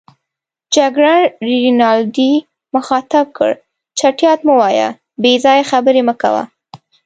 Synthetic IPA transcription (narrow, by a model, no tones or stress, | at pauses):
d͡ʒaɡɽaɳɾiɾinɑld̪i | məxɑt̪ab̚kə̰ɽ | t͡ʃaʈjɑt̪mʊwɑja̰ | bezɑjaxabəɾeməka̰wa̰